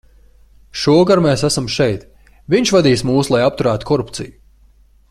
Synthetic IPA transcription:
ʃuɔɡaɾmɛːsæsamʃɛjt̪ | vʲiɲʃvad̪iːsmuːslˠajap̚t̪uɾaːt̪u̥kʰɔɾupt̪siju

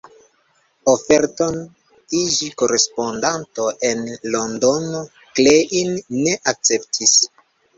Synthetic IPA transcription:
ofe̞ɾto̞n | id͡ʒiko̞ɾe̞spo̞ndanto̞ʔe̞nlo̞ndo̞no | kleʔinːe̞ʔak̚t͡se̞ptʰis

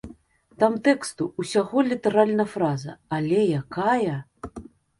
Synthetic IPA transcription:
t̪amt̪ɛkst̪uusʲaɣɔlʲit̪ɛɾalʲnɐfɾazɐ̰alʲɛjakajɐ

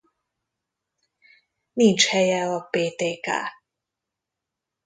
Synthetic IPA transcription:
nint͡ʃhɛjɛɒpeːt̪eːka̰ː

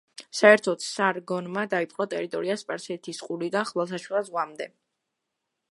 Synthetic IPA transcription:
saɛɾt̪ʰɔt̪saɾɡɔnmad̪aipʼqʼɔt̪ʼɛɾit̪ʼɔɾiaspʼaɾsɛɛt̪ʰisqʼulid̪aχvalˠs̬aʃwilˠazʁwamd̪ɛ

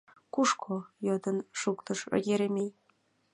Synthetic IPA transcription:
kuʂkʰojɤd̪ɤ̆nʂukt̪ɤ̆ʃɘ̰jʲeɾʲemʲej

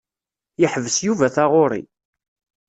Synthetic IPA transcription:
jəħvəsjuvæθaʁʊɾˤḭ

